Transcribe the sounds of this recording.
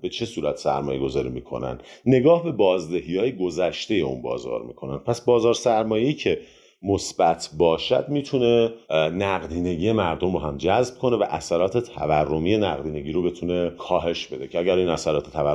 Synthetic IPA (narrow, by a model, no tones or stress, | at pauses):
be̞t͡ʃʰe̞suːɾæt̪ʰsæ̰ɾmɒːje̞ɡo̞zɒːɾḭmiːkʰo̞̰næ̰nd̪ne̞ɡɒːhbe̞bɒːzd̪eɦijɒːjeɡo̞zæʃt̪e̞je̞ṵnbɒ̰ːzɒ̰ːɾmḭːkʰo̞næ̰nd̥̪pʰæsbɒːzɒːɾsæɾmɒːje̞iːcʰe̞ | mosb̥æt̪ʰbɒːʃæ̰d̪̚miːt̪ʰune̞næɣd̪iːne̞ɡiːje̞mæɾd̪o̞mɒːɦæmd͡ʒæzb̥̚kʰo̞ne̞væʔæsæɾɒːt̪ʰe̞t̪ʰæværːo̞mije̞næɣd̪iːne̞ɟiːɾo̞be̞t̪ʰune̞kʰɒːɦe̞ʃb̥e̞d̪e̞cʰeæɡæɾinæsæɾɒːt̪ʰet̪ʰævæ